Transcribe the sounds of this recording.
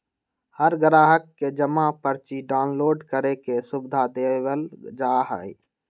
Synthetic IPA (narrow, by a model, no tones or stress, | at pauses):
həɾɡəɾaːɦəkːed͡ʒəmapəɾt͡ʃiɖaːnloːɖkəɾekesʊbɪd̪ʱad̪eʋəld͡ʒaːɦə̰i